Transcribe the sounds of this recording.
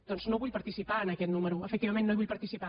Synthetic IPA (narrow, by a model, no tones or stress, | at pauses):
d̪̥ɔnznoβuʎpəɾt̪isipaənəkɛt̪numəɾuəfəkt̪iβəmẽnːoiβuʎpəɾt̪isipa